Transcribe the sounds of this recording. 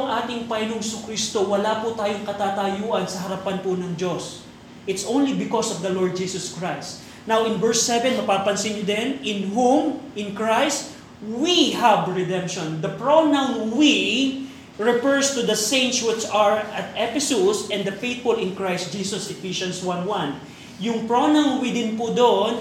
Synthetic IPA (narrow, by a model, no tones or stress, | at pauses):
ŋʔaːt̪ɪŋpɐɪnʊŋsʊkɾist̪owɐlaːpʊt̪aːjoŋkɐt̪at̪ajuːʔɐnsɐɦɐɾɐpanpʊnɐŋd͡ʒos | ʔɪt̪sʔõwnlibɪkɔsɔvd̪ɐloɹd̪̚d͡ʒiːsɔskɹajst̪ | nawʔɪnvɛɹsːɛvɛnmɐpaːpɐnsɪ̃nɲʊd̪ɛnɪ̃nɦũmɪ̃nkɹajst̪ | wihɐbɹɛd̪ɛ̃mpʃɔnd̪ɐpɹonaŋwi | ɹɛfɛɹst̪ʊd̪ɐsẽɪnt̪swɪt͡ʃɐɹɐt̪ɛpɪsusɛ̃nd̪ɐfejt̪̚fʊlɪ̃nkɹajst̪̚d͡ʒiːsɔsɛfiʃɐ̃nswanwãn | jʊŋpɹonaŋwid̪ɪnpʊd̪oʔon